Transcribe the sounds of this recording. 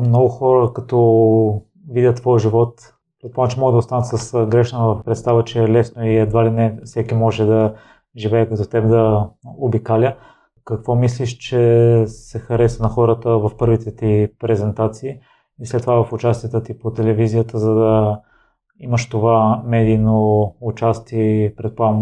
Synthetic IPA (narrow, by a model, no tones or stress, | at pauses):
mnɔɡʊxɔɾəkɐt̪ɔ | vid̪ʲət̪ːvɔjʒivɔt̪ | pɾɛt̪̚pomət͡ʃɛmɔɡəd̪ɐoʊst̪anət̪səsɡɾɛʃnəvɐfpɾɛt̪st̪avət͡ʃɛɛlɛsnoiɛd̪valinɛfsɛkimɔʒɛd̪ɐ | ʒivɛːkɐt̪ɔt̪ɛbd̪ɐobikalʲə | kɐkvɔmisliʃt͡ʃɛsɛxɐɾɛsənɐxɔɾət̪əvɐfpɤɾvit̪ɛt̪ipɾɛzɛnt̪at̪siː | islɛt̪ːovavɐfʊt͡ʃast̪iɛt̪ət̪ipot̪ɛlɛvizijət̪əzɐd̪ɐ | iməʃt̪ovamɛd̪ijnout͡ʃast̪iɛpɾɛt̪̚poa